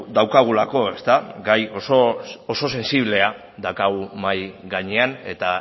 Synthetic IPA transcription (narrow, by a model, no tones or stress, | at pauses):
d̪awkaɣ̞ulako̞e̞st̪aɡajosooso̞se̞nsiβ̞le̞a | d̪akaɣumajɡaɲe̞ane̞t̪a